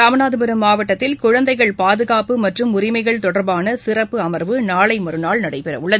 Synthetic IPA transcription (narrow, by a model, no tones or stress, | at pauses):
ɾaːmɐnaːðɯpɛɾɯmːaːʋɐʈːɐt̪ːɪlkʊɻɐnd̪ɐɪɣɐɭpaːðɯɣaːpɯmɐʈrɯmʊrɪmɐɪɣɐɭt̪ɔɽɐɾbaːnɐsɪrɐpːɯɐmɐɾʋɯnaːɭɐɪmɔɾɯnaːɭnɐɽɐɪpɛrɐ̰ʋʊɭːɐðɯ